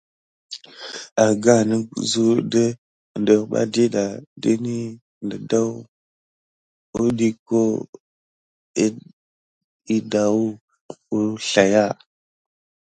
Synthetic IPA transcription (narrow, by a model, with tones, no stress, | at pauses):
a˨ɡa˦˨nə˦zu˦də˦˨ | ndə˨ɓa̰˦di˦ɗa˨di˦ni˦ | ndə˨da˦w | u˦ɗi˦ko˦ | i˦da˨u˦ | u˦ɬa˨ja˦